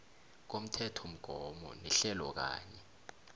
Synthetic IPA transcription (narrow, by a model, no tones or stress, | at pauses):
k̬om̩tʰɛtʰom̩ɡ̥ʱɔmɔ̰nɛɬɛlɔ̰k̬a̰ːɲɛ